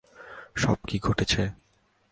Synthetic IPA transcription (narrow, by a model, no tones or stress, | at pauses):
ʃɔ̰b̚kiɡʱoʈet͡ɕʰe